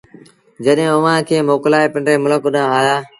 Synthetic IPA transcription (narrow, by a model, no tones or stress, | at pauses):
d͡ʒəɗɦẽːʊʋ̤ãːkʰeːmoːklaːeːpɪ̃ɳɖɾeːmʊləkʊɗãːaːjaː